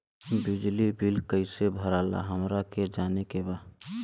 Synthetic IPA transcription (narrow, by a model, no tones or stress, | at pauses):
bɪd͡ʒlibilkəɪsebʱəɾala̰ɦəmɾaked͡ʒaːnekebaː